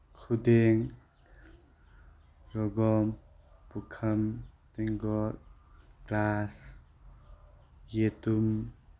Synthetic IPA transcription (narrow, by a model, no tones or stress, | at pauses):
kʰud̪eŋ | ɾɔɡɔmpukʰɐmt̪iŋɡɔtklas | jet̪um